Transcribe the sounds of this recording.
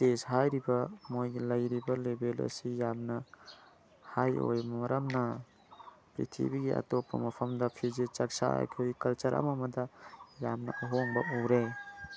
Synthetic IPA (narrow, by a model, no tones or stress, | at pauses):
tesɦajɾibɐmojɡilɐjɾibɐlebelɐ̰sijamnɐ | hajo̰jmmɐɾɐmnɐ | pɾḭtʰḭbiɡiʔa̰topːɐ̰mɐpʰɐmdɐpʰizet͡ʃɐk̚sa̰ɐ̰kʰojkɐlt͡ʃɐɾʔɐ̰mɐmɐdɐjamnɐʔɐɦoŋbɐowɾe